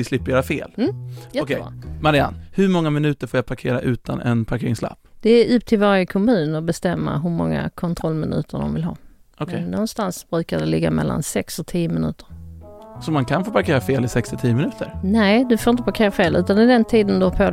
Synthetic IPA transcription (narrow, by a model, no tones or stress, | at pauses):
ɪslɪpːəɾjœːɾafeːlɔkʰɛmaɾɪa̰nhɵɾmɔŋːamɪnʉ̟ːt̪əɾfoːjapʰaɾkʰḛːɾaʔʉ̟ːt̪anɛ̰npʰaɾkʰeːɾɪŋsla̰pːd̪̥ɛːʔʉp̚ːt̪ʰɪlvaɾjəkʰɔmʉ̟ːnɔbɛst̪ɛmːa̰ɦɵɾmɔŋːa̰kʰɔnt̪ʰɾɔlːmɪnʉ̟̰ːt̪ʰəɖɔ̰mvɪlɦɑ̰ːɔkʰɛnːɔnst̪ansb̥ɾʉ̟ːkad̪ɛlɪɡːamɛ̰lːa̰nsɛksɔt̪ʰiːjəmɪnʉ̟ːt̪ə̥ɾsɔmankʰanfoːpʰaɾkʰeːɾafeːlɪsɛkst̪ɪt̪ʰiːəmɪnʉ̟ːt̪əɾnɛːd̪ɵfoːɾɪnt̪əpaɾkʰeːɾafeːlʉ̟ːt̪anɪd̪ɛnt̪ʰiːd̪ənd̪ɵhapʰo